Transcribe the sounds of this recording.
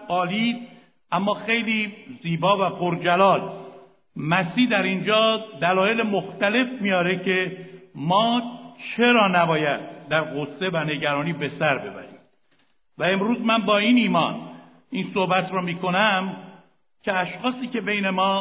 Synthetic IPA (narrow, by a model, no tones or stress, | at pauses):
ɒːliːd̪ | ʔæmːɒːxe̞jliːziːbɒːvæpʰoɾd͡ʒælɒːl | mæsiːhd̪æɾind͡ʒɒːd̪ælɒːje̞lemoxt̪æle̞fmijɒːɾe̞cʰe̞mɒːt͡ʃʰe̞ɾɒːnæbɒːjæd̪̚ːæɾɣose̞væne̞ɟæɾɒːniːbe̞sæɾbe̞bæ̰ɾḭm | væe̞mɾuːzmænbɒːiːniːmɒ̰ːn | insohbæt̪ʰɾɒːmiːkʰo̞næm | cʰeæʃxɒːsiːce̞be̞jne̞mɒː